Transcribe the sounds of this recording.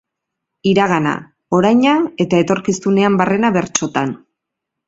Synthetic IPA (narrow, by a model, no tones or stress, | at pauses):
iɾaɣ̞ana̰ | o̞ɾajɲae̞t̪ae̞t̪o̞ɾkisune̞ambare̞naβe̞ɾt͡ʃo̞t̪an